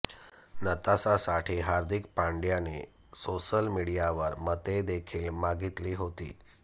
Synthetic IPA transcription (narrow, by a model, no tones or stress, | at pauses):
nət̪asasaʈʰiːɦaɾd̪ʱikpaɳɖjanḛ | soɕəlmiɽijaʋəɾmət̪ed̪ekʰiːlmaɡit̪liːɦot̪ḭː